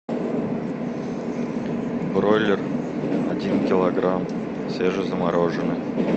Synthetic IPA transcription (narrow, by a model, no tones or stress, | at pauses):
brolʲɪr | ɐ̰dʲinkʲɪlˠɐɡɾam | sʲeʐɨzəmɑɾʔoʐənɨ